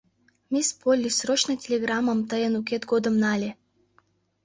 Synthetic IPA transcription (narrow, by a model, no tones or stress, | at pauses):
mʲispolʲːisɾot͡ɕnɐt̪ʲelʲeɡɾaməmt̪əjenukʲet̪ɡod̪ə̆mnalʲe